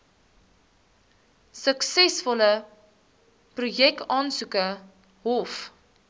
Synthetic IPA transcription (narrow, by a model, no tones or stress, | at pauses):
səksɛsfɔlə | prujɛk̚tɑːnsukə | ɦɔf